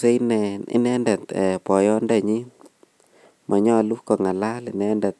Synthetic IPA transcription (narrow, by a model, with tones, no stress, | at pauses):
se˦i˦nɛɪ̰˨nɛ˦ndɛ˨t̪ɛ˨pɔ˨jɔ˦ndɛ˨ɲɪ˦ | mʔa˨ɲɔ˦˨lu˦kɔ˨ŋa˨la˦lɪ˨nɛ˦ndɛ˨t̪̚